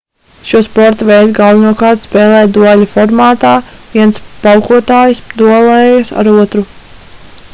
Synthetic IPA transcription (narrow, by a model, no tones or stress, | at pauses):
ʃuɔspɔɾt̪avɛjt̪ɡalˠvinuɔkɑːɾt̪spɛːlˠɛːjd̪uɔlʲifɔɾmaːt̪aːviɛntspawkuɔt̪aːjisd̪uɔlˠɛjɐsa̰ɾuɔt̪ɾu